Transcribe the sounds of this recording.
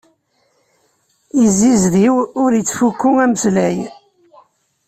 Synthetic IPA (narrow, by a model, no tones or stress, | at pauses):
izːizɾiwʊɾjət͡sːfukːʊŋæməslæj